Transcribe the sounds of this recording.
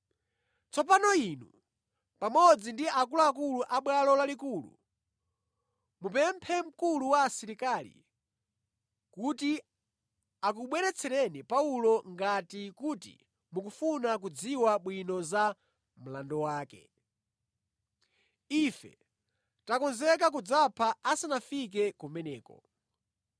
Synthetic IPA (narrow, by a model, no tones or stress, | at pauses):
t͡sɔpanɔinu | pamɔd͡zindiakulɔakuluʔaɓwalɔlalikulṵ | mupɛmpʰɛm̩kuluwaːsiɾikalḭ | kuti | ak̬uɓwɛɾɛt͡sʰɛɾɛnipaulɔŋɡatikutḭ | mukufunak̬ud͡ziwaɓwinɔza | m̩landɔwaːkɛ̰ | ifɛ̰ | takɔnzɛk̬ak̬ud͡zapʰaasanafik̬ɛkumɛnɛːkɔ̰